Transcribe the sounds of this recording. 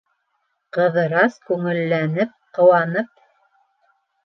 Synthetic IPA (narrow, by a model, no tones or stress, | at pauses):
qɤ̆ðɤ̆ɾɑskʉŋɘ̆lːænɘp̚qɤ̆wɑnɤp̚